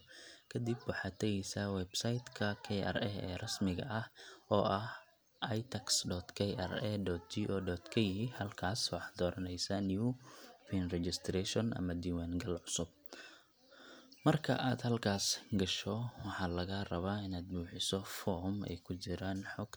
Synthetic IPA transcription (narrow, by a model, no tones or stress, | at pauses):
kʰɐd̪ibwɑħɑːt̪ʰɐɣɛjsɐwɛbsajt̪kʰɐkʰɛʔa̰rɛhɛ̰ːrɐsmɪɣɐ̰ʔɐhɔːʔɐh | ʔajt̪ʰɐksɖɔːt̪kʰɛjʔa̰rɛd̪ɔt̪̚d͡ʒiʔɔːdɔːt̪kʰɐjɪɦɪhɐlkʰaːswɑħd̪ɔːɾɐnɛjsaniufiːnrɛt͡ʃɪst̪ʰɾɛːʃɔnʔɐ̰mɐd̪iːwaːŋɡɐlʕʊsʊb̚ | mɐrkʰɐ̰ʔaːd̪hɐlkʰaːsɡɐʃɔwɑħɑːlɐɣɐrɐβaːɪnaːd̪̚buːħɪsɔfɔːɾmɛ̰jkʰʊt͡ʃɪɾaːnħɔɡ